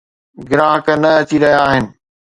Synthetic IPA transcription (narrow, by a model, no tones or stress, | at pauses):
ɡɪɾaːɦəknɐɐt͡ɕiɾɐɦijaːɦɪnɪ̆